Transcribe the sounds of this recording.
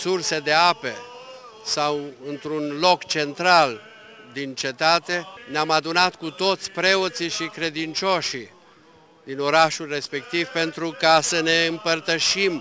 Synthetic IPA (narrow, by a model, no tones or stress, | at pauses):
surse̞d̪e̞ape̞ | sawɨnt̪ɾunlo̞kt͡ʃe̞nt̪ɾal | d̪int͡ʃe̞t̪at̪e̞neamad̪unat̪kut̪o̞t̪sʲpɾe̞ot̪siʃikɾe̞d̪int͡ʃoʃi | d̪ino̞ɾaʃulre̞spe̞kt̪ivpe̞nt̪ɾukasəne̞ɨmpərt̪əʃim